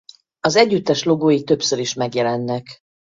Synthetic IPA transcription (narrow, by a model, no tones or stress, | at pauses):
ɒzɛɟːyt̪ːɛʃlo̞ɡoːjit̪ø̞psøɾiʃmɛɡjɛlɛnːɛk